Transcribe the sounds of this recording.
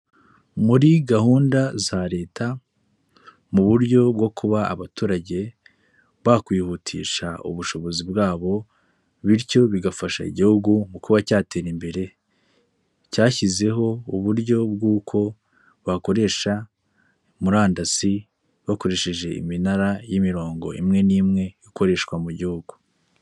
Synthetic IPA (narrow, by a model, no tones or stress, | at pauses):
muɾiɡahuːndazaɾe̞ːtʰa | muβuɾɟo̞bɡo̞kʰuβaa̰βatuːɾaɟe̞ | βakwiːhutʰḭːʃaṵβuʃo̞βo̞zibɡaːβo̞ | βiɾco̞βiɡafaʃa̰ḭɟihuɡumukuβacaːte̞ɾimbe̞ɾe̞ | caːçize̞ɦo̞uβuɾɟo̞bɡuːkʰo̞ | βako̞ɾe̞ʃa | muɾaːndasi | βako̞ɾe̞ʃe̞ʒe̞ḭminaɾajimiɾo̞ːŋɡo̞̰ʔḭmŋe̞niːmŋe̞jiko̞ɾe̞ʃkwamuɟihuɡ̥u̥